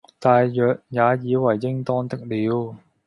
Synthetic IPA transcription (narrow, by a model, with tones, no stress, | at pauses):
t̪aː˨jjœː˨k̚jaː˨˧jiː˨˧wɐ˨˩jːɪ˥ŋt̪ɔː˥nt̪ɪ˥k̚liː˨˧w